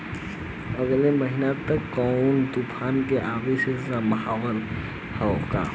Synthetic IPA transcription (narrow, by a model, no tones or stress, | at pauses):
əɡleməɦinat̪əkːɔʊnd̪upʰaːnkeʔabisesaməɦawəl | hɛka̰